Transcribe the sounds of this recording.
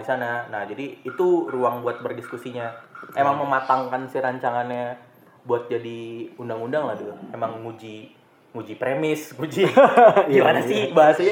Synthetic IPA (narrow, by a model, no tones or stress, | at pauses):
isananahd͡ʒadiːt̪uruaŋbuat̪̚bərdiskusiɲaemaŋməmat̪aŋkansiɾaɲt͡ʃaŋanɲa | buat̪̚d͡ʒadiundaŋundaŋlahduemaŋːud͡ʒi | ŋud͡ʒipɾemɪsŋud͡ʒiɡimanasɪhbaɦasaɲa